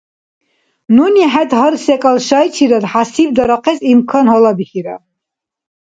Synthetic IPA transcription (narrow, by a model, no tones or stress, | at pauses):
nunɛħɛt̪ɦəɾsɛkʼalʃajt͡ʃʰiɾad̪ħasib̚d̪aɾaqʰɛsimkʰɔnhɔlabiχiɾa̰